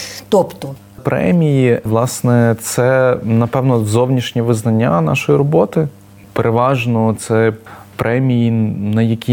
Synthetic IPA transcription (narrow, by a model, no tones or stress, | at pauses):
t̪ɔpt̪ɔ | pɾʔɛ̰mʲijiʋlˠɑsnɛt̪sɛnɐpɛwnɔzɔwnʲiʃnʲiʋɪznɐnʲːanɑ̰ʃɔjiɾɔbɔt̪ɪ | peɾʔeʋɑʒnɔt̪sɛ | pɾʔɛmʲijinɐjɐkʲi